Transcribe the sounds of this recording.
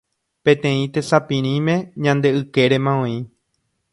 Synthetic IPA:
pẽ̞t̪ẽ̞ĩt̪e̞sapĩɾ̃ĩmẽ̞ɲãnd̪e̞ɨke̞ɾe̞mãõĩ

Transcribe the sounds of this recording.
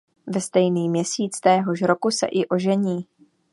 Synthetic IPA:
vɛst̪ɛjniːmɲɛsiːt͡st̪ɛːɦo̞ʃɾokusɛ̰ʔɪʔo̞ʒɛɲiː

